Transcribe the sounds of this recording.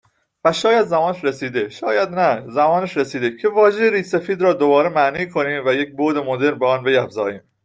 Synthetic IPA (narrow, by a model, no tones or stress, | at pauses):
væʃɒːjæd̪zæmɒːneʃɾesiːd̪e̞ʃɒːjæd̪næzæmɒːneʃɾesiːd̪ecʰe̞vɒːʒejeɾiːsefiːd̪ɾɒːd̪obɒːɾemæʔniːkʰo̞niːmvæjec̚boːd̪e̞mod̪e̞ɾmbeɒːnbe̞jæfzɒːjiːm